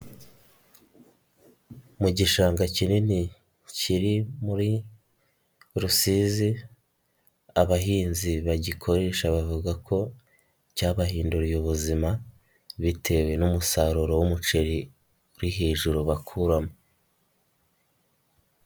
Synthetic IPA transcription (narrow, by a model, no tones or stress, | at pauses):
muɟiʃaːŋɡacinini | ciɾimuɾi | ɾusiːzi | aβaɦiːnziβaɟikʰo̞ɾe̞ːʃaβavuɡakʰo̞ | caːβahiːnduɾijuβuzima | βitʰe̞we̞numusaɾuɾo̞wumut͡ʃe̞ɾi | uɾiɦeːʒuɾuβakʰuɾamo